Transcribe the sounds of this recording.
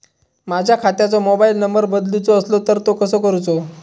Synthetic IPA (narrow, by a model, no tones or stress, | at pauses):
mad͡ʑʱjakʰat̪jat͡somobailnəmbəɾbəd̪lut͡soːslot̪əɾt̪okəsəkəɾut͡so